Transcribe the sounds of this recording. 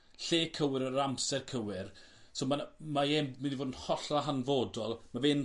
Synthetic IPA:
ɬeːkʰəwɪɾəɾamsɛrkʰəwɪr | soːmamaɛmmindivoːdənhɔɬaɦanvoːdɔlˠmaveːn

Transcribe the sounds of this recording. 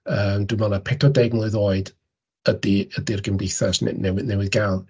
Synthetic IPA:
əːmdwinvɔnˠapʰɛtʰɔdɛɡnlˠɨðoːɨd | ədiədirɡəmdejθaʃnḛnɛwɪðnɛwɪðɡalˠn

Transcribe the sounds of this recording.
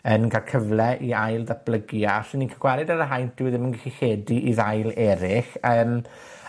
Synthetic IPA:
ənɡalˠkʰəvlˠɛʔiajlˠdat̚b̥lˠəɡjaɬɪninkʰəɡwaɾɪdaɾəɦajntd̥ɪwðɪmənɡɪxiχeːdiʔiðajlˠɛɾɪχəːm

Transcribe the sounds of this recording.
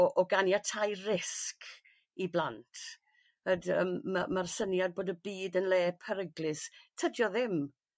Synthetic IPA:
ɔʔɔɡanjatʰajrɪsk | iblˠantʰ | ədə̰mmamarsənjad̚boːdəbiːdənleːpʰəɾəɡlɪstʰədjɔðɪm

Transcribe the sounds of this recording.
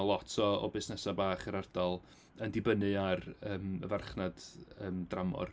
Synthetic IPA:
ɔlˠɔtʰɔɔ̰bɪsnɛsabaːχəɾard̥ɔlˠ | əndɪbənɨarəːmə̰varχnad̥əːmdramɔ̰r

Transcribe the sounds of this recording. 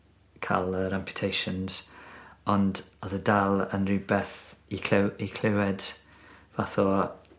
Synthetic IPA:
kʰa̰lˠəɾampʰju̥tʰejʃənz̥ | ɔndɔðədalˠə̰nrɪbɛθikʰikʰl̥ɪwɛd | vaθɔ

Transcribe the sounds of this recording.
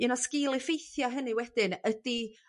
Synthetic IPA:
inɔskɪlˠɪfejθjɔɦənɨwɛd̥ɪnəd̥i

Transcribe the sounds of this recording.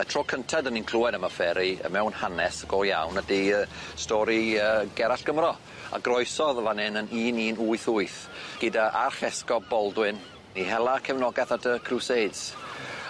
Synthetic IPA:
ətʰr̥oːkʰəntʰadəninkʰl̥ˠuɛdəmafɛɾiə̰mɛwnhanɛsəɡ̥ɔja̰wnədiəstɔɾiəːɡɛɾaɬɡ̥əmrɔ | a̰ɡrɔɨsɔðlanɛnəniːniːnuɨθuɨθ | ɡ̥ɪdaʔarχɛskɔbɔlˠdwɨn | ihɛlˠakʰɛvnɔɡɛθatʰəkʰruseds

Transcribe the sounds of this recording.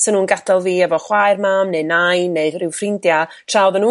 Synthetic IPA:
sənuːnɡadalˠviːɛvɔχwajrmaːmnenajneɨrɪwfrɪndja | tʰrawðənuː

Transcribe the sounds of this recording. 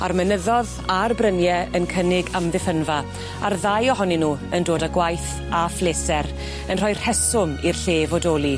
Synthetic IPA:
armənəðɔð | arbrənjɛənkʰənɪɡamðɪθənva | arðajɔɦɔninuːəndoːdaɡwajθ | afleːsɛɾ | ənrɔjr̥hɛsʊmirɬeːvɔdoːlˠi

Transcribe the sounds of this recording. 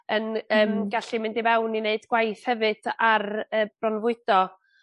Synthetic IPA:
ənəːmɡaɬimɪndivɛwnineɨdɡwajθhɛvɨd̥arəːb̥rɔnvʊɨd̥ɔ

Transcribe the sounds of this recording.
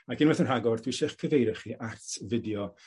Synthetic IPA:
aɡʰɪnwɛθənr̥aɡɔrdʰwiʃɪχkʰəvejɾɛχiʔartʰvɪdjɔ

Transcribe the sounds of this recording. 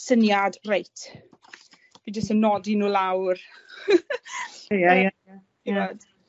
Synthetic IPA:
sənjadrejtʰ | v̥ind͡ʒəstənːɔdinuːlawr | jaja | ḁ | iɔd̥

